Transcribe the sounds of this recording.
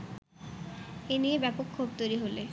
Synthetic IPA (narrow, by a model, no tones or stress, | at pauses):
eniebɛpokʰːubt̪ojɾiɦole